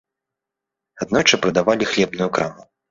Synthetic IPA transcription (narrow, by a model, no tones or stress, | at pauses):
ad̪̚nɔt͡ʂɐpɾɐd̪avalʲixlʲɛbnujukɾamu